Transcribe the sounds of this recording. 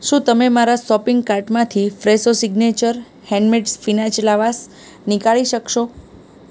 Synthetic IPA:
ʃũt̪əmemaɾasɔpiŋɡkaɾʈmãt̪ʰifɾesosiɡnet͡ʃəɾ | hɛ̃ɳɖmeʈsfinat͡ʃlaʋas | nikaɭiʃəkʃo

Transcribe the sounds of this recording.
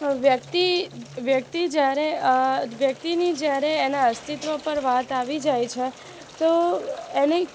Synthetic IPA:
ʋjək̚t̪iʋjək̚t̪id͡ʒjaɾeʋjək̚t̪inid͡ʒjaɾeːnaəst̪it̪ʋəpəɾʋat̪aʋid͡ʒajt͡ʃʰe | t̪oeni

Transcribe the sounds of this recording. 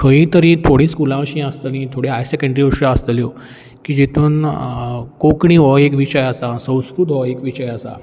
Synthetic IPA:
kʰə̃ĩt̪əɾĩt̪ʰoɽĩːskulãʋəɕĩəst̪ənĩt̪ʰoɽeɦajsekə̃ɳɖɾiʋəʂãəst̪əljo | kiːd͡ʑet̪ʰuːn | kokɳĩɦɔekʋiɕəjasasə̃w̃skɾut̪ɦɔekʋit͡ɕəjasa̰

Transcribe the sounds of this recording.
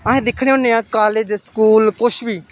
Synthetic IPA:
əɦẽːd̪ɪkʰɽ̃eːɦʊ̃nːẽːãːkaːleːd͡ʒskuːlkʊʃbiː

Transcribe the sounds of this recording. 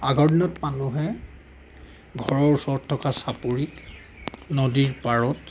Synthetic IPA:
aɡʱɔɹdinɔtmanuɦɛ | ɡʱɔɹɔɹsɔɹtʰːɔkasapuɹik | nɔdiɹpaɹɔt

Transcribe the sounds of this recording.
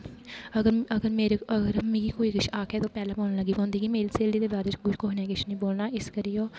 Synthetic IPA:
əɡəɾəɡəɾmeːɾeəɡəɾmĩːɡiːkoːiːɡɪʃaːkʰɛːt̪oːpɛːlãːboːnaːləɡiːpãːʊnd̪iːɡiːmeːɾiseːlɖiːd̪eːbaːɾeːt͡ʃɡʊkoːɦneɛːɡɪʃʰnəĩːboːlnaːɪskəɾiːoː

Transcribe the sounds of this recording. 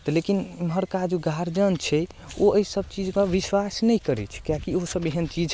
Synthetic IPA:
t̪ɔlekinməɦəɾkad͡ʒuɡʱaɾd͡ʒənt͡ʃʰɛ | oəisəb̚t͡ʃid͡ʒkə̃ʋiswasnɛjkəɾɛ̰t͡ʃʰɛ̥kjakiosəbeɦənt͡ʃid͡ʒ

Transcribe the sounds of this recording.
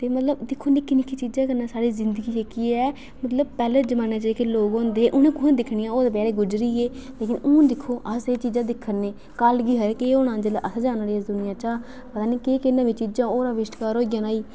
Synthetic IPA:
t̪eːmət̪ləbd̪ɪkʰːoːnɪkːɪnɪkʰːiːt͡ʃiːd͡ʒãːk̬əɾnaːsaːɾiːzɪnd̪əɡiːeːkiːɛː | mət̪ləb̚pɛːleːd͡ʒəmaːnaːt͡ʃaːiːkeːloːɡɦõːnd̪eːʔʊnẽːkʊnẽːd̪ɪkʰnijãːoːd̪eːp̬ɛːɾeːɡʊd͡ʒɾiːeːleːkɪnʊ̃ːd̪ɪkʰːoːʔəseːt͡ʃiːd͡ʒãːd̪ɪkʰːənːẽː | kəlɡiːɦəɾekeːoːnãːd͡ʒela̰ːʔəsad͡ʒaːnaːɾiːɛsd̪ʊnɪjãːt͡ʃaː | pət̪aːniːkeːkɪnãːʋiːt͡ʃiːd͡ʒãːoːɾaːʋɪʃʈkaːɾoːɪjãːnaːiː

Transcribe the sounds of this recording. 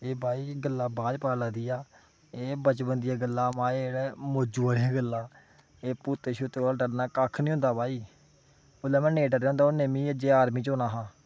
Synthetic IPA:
eːbʱaːiːɡəlːaːbaːd͡ʒpaːlaːd̪iːaː | eːbət͡ʃbənd̪ɪjaːɡəlːaːmãːeɽɛːmoːd͡ʒuːaːɾijaːɡəlːaː | eːpuːt̪eːʃʊt̪ːeːlaːɖəɾnaːkaːkʰnĩːõnd̪aːbʱaːiː | ʊlɛːmɛ̃ːneːɖəɾɦõnd̪aːoːneːmĩːəd͡ʒeːaːɾmĩːt͡ʃoːnaːɦãː

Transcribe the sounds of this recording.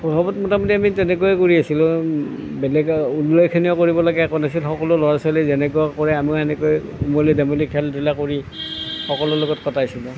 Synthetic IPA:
pɔbɔbɔtmɔtamɔtiamitɛnɛkoɛkoɹiasilʊ̃ | bɛlɛɡulːɔjkʰiniɔkoɹibɔlaɡɛakɔnasilxɔkɔlʊlɔɹasɔlɛzɛnɛk̬oakɔɹɛamiɛnɛkojumɔlidamolikʰɛldilakoɹi | xɔkɔlʊlɔɡɔtkɔtajsilʊ̃

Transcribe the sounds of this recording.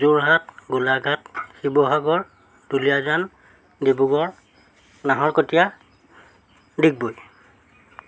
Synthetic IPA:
zuɹɦat̚ɡulaɡʱatxibɔɦaɡɔɹ | d̥ulijazan | dibuɡɔɹ | naɦɔɹkotija | dik̚boj

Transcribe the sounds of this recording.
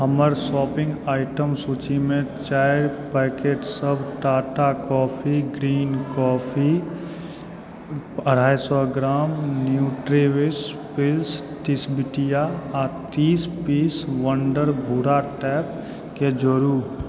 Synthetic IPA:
əməɾsɔːpɪ̃ŋɡaːɪʈəmsuːt͡ʃimẽt͡ʃaːɪɾpɛːkeːʈsəbʱʈaːʈakɔːpʰiɡɾiːnkɔːpʰi | əɽ̤ʱaːjsɔɡɾaːmnjuːʈɾeːʋɪs | pɪls | ʈɪsbɪʈijat̪iːspiːsʋə̃ɳɖəɾbʱuːɾaʈɛːp̚ | ked͡ʒəɾuː

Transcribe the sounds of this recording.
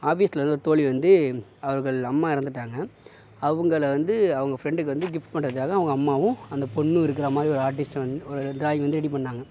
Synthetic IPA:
aːfiːst̪ɪlɐnd̪ɯɔɾɯt̪oːɭiʋɐnd̪ɯɐʋɐɾɣɐɭɐmːaːɪɾɐnd̪ɯʈːaːŋɡɐ | ɐʋɐŋɡɐɭʋɐnd̪ɯɐʋɐŋɡɐfɾɛɳɖɯk̬ːɯʋɐnd̪ɯɡɪfʈ̚pɐɳːɾɐðɯkaːɣɐɐʋɐŋɡɐːmːaːʋʊ̃ɐnd̪ɐpɔɳːɯɪɾɯk̬ːɪɾaːmaːd̪ɾiɔɾɯaːɾʈ̬ɪsʈɐnd̪ɯɔɾɯɖɾaːjɐʋɐnd̪ɯɾɛɽip̬ɐɳːaːŋɡɐ

